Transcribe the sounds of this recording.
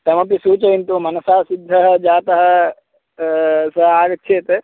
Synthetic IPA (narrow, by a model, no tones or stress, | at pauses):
t̪ɐmɐ̃pisuːt͡ʃɐint̪umɐnɐsaːsɪd̪ʱːɐɦɐd͡ʒaːt̪ɐɦɐ̆ | sɐɦaːɡɐtːʃʰeːt̪e